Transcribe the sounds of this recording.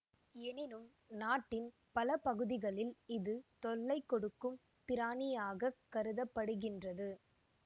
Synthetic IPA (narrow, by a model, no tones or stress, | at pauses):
ɛnɪnɯm | naːʈːɪn | pɐlɐpɐɣɯðɪɣɐɭɪlɪðɯt̪ɔɭːɐɪkːɔɽɯkːɯm | pɪɾaːnɪjaːɣɐkːɐɾɯðɐpːɐɽɯɣɪndrɐðɯ